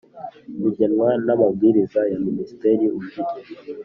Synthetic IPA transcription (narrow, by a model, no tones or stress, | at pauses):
ɡuɟanwanamab̚ɡiːɾizajaminisi̥teɾiuviti